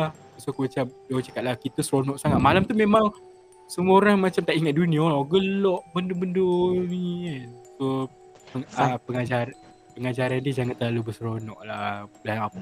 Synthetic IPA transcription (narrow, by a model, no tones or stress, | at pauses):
a | sokobət͡ʃadoat͡ʃakat̪̚lahkit̪əsəɾonɔʔsaŋat̪̚malamt̪umẽmaŋ | səmuoɾaŋmat͡ʃamt̪aʔiŋat̪̚duniaolɔɡəlɔʔbəndobəndonianso | pəŋapəŋad͡ʒaɾ | pəŋad͡ʒaɾandiəd͡ʒaŋant̪əlalubəsəɾonɔ̰ʔlahaaapa